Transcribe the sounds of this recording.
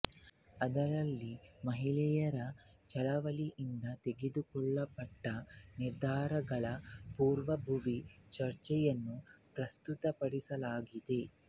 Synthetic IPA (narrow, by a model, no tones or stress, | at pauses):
ɐd̪ɐɾɐlːimɐɦiɭɛjɐɾɐt͡ʃɐlɐʋɐliʔind̪ɐt̪eɡed̪ukɔɭːɐpɐʈːɐniɾd̪ʱaːɾɐɡɐɭɐpuːɾʋɐbʱuʋit͡ʃɐɾt͡ʃɛjɐnːupɾɐst̪ut̪ɐpɐɽisɐlaːɡid̪e̞